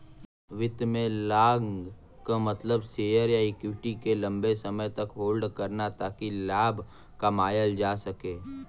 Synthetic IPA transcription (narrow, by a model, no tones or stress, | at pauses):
ʋɪt̪mẽlaːŋ | kamɐt̪ləbseːjəɾjaɪːkwɪʈikelɐ̃mbesɐməjt̪ɐkɦoːlɖkɐɾnat̪aːkilaːbʱ | kamaːjəld͡ʒaːsɐkeː